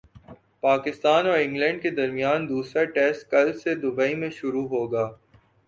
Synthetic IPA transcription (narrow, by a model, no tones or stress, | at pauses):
paːkɪst̪aːnɔːɾɪ̃ŋɡlɛ̃ːɳɖked̪ɐɾmijaːnd̪uːsɾaʈɛːsʈ̚kɐlsed̪ʊbaːimẽʃʊɾuɦoːɡaː